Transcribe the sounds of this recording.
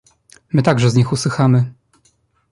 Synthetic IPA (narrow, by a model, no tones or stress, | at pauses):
mɘt̪aɡʐɛzɲixuswɘxamɘ